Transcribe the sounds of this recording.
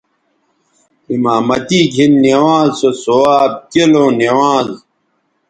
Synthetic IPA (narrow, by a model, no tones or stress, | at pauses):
imaːmɐt̪iːɡʱinːewãːzsosoaːb̚kelõːnewãːz